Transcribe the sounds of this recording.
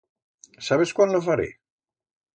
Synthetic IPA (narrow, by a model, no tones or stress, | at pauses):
saβeskwand̪ofaɾḛ